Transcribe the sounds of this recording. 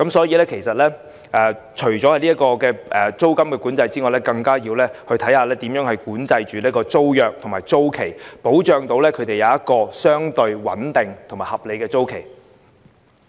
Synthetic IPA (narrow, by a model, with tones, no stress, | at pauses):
kɐ˨˥msɔː˨˥jiː˧lɛː˥kʰe˨˩jsɐ˨t̚lɛː˥ | ʔɛː˨ | t͡ʃʰɵ˨˩t͡ʃɔː˨˥hɐ˨jnliː˥kɔː˧kɛː˧ʔɛː˨t͡so˥wkɐ˥mkɛː˧kuː˨˥nt͡sɐ˧jt͡siː˥ŋɔ˨jlɛː˥kɐ˧ŋkaː˥jiː˧wlɛː˥hɵ˧ɥt̪ʰɐ˨˥jhaː˨˧lɛː˥t̪i˨˥mjœː˨˥ŋhɐ˨˧ɥkuː˨˥nt͡sɐ˧jt͡ʃyː˨liː˥kɔː˧t͡so˥wjœː˨k̚t̪ʰŋmaː˨˩jt͡so˥wkʰe˨˩jpo˨˥wt͡ʃœː˧ŋt̪o˧wlɛː˥kʰɵ˨˧jt̪e˨jɐ˨˧wjɐ˥t̚kɔː˧sœː˥ŋt̪ɵ˧ɥwɐ̰˨˥nt̪ɪ˨ŋt̪ʰŋmaː˨˩hɐ˨p̚le˨˧jkɛː˧t͡so˥wkʰe˨˩j